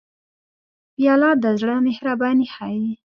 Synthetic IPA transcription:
bijɑlɑd̪əzɽəmehɾɑbɑnihaji

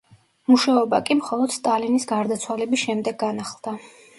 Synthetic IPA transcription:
muʃaɔbakʼimχɔlˠɔd̪̥st̪ʼalinisɡaɾd̪at̪sʰwalɛbisʃɛmd̪ɛɡɡːanaχlˠd̪̥a

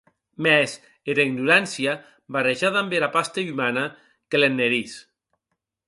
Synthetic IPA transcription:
mɛs | eɾaiɡnuɾansia | bareʒaðambeɾapast̪eymana | kelenːeɾis

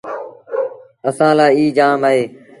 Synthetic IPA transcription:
əsãːlaːiːd͡ʒaːmaːɦeː

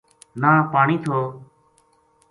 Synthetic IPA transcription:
naːpaːɳiːt̪ʰoː

